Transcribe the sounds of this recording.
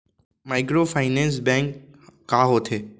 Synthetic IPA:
maɪkɾoːpʰaɪnẽːns̬bɛ̃ːŋkː | aːɦoːt̪ʰeː

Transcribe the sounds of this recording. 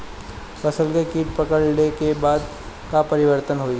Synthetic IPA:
fɐsəlkekiːʈ̚pəkəɭnekebaːd̪ | kapɐɾɪʋəɾt̪ənɦoːi

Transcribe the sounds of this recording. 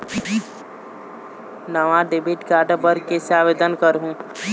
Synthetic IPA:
nəʋãɖebiʈɡaːɾɖbəɾkesaːʋeːd̪ənkəɾɦũː

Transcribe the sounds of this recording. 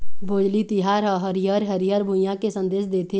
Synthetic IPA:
ʋoːd͡ʒlit̪ɪɦaːɾɦɦəɾijəɾɦəɾijəɾbʱʊjãkesə̃nd̪eːʃd̪eːt̪ʰe

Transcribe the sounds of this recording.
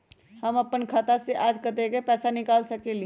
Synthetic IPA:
hɐmɐpənkʰaːt̪aseʔaːd͡ʒkɐt̪ekepɛːsanɪkaːlsɐkeli

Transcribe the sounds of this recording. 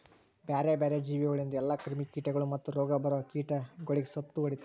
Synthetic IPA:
baːɾebaːɾed͡ʒiːʋiɐɭind̪ɛlːɐkɾimikiːʈɐɡɐɭumɐt̪ːuɾɔːɡɐbɐɾoːkiːʈɐɡoɭiɡesɐt̪ːuʋɐɽit̪

